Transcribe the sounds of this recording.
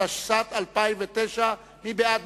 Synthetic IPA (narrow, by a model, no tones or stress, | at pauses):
aʃʃat̪alpaimvet̪ejʃa | mibead̪̚